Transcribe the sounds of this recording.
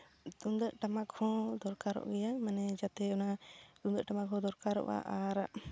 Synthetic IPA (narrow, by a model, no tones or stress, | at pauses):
d̪umd̪əʔʈamakhɔ̃d̪ɔɾkaɾɔ̰ʔɡɛjamɛnɛd͡ʒat̪ɛɔnad̪ũd̪əʔʈamakhɔ̃d̪ɔɾkaɾɔ̰ʔa̰ʔaɾaʔ